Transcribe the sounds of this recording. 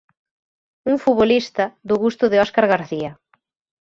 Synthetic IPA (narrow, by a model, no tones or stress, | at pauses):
uŋfuβolist̪ɐðʊɣust̪ʊðɪɔskaɾɣaɾθia